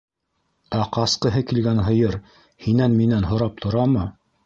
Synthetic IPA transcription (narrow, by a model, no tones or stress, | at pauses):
æqɑsqɤ̆ɦɤkilɡænɦɤ̆jɤɾ | hinænminænɦŏɾɑp̚t̪ʰŏɾɑmɤ